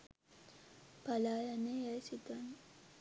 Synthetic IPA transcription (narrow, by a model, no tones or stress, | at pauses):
palaːjanejasit̪an